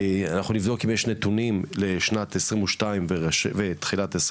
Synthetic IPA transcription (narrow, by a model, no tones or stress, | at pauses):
anaχunivd̪o̞kimjeʃnet̪unimleʃnat̪esʁimuʃtaimveʁeʃvet̪χilat̪es